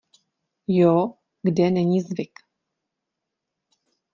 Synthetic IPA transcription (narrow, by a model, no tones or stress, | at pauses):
jo | ɡdɛnɛɲiːzvɪk